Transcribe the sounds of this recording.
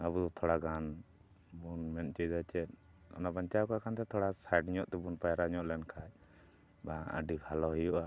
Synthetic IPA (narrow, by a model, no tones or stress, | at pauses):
abud̪ɔt̪ʰɔɽaɡan | bunmɛnt͡ʃəjd̪at͡ʃɛt̪̚ | ɔ̰nabaɲt͡ʃakakant̪ɛt̪ʰɔɽasajɖɲɔʔt̪ɛbunpajaɾaɲɔʔlɛnkʰaj | baʔə̰ɖibʱalɔɦɔjɔʔa